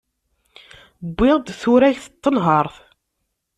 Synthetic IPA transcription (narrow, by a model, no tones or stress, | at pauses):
bːɪʁd̪θuɾæçθət̪ˤːənɦɑɾˤθ